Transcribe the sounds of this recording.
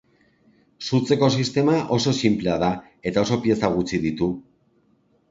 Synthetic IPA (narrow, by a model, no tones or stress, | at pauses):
sut͡se̞ko̞sist̪e̞maʔo̞so̞simple̞að̞a | e̞t̪ao̞so̞pije̞saɣ̞ut͡siðit̪u